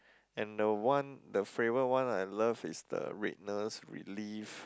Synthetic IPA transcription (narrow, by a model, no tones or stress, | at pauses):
ɛ̃ndəwãndəfɹevəwãnajləvisdə̰ɹḛt̚nəsɹḭlif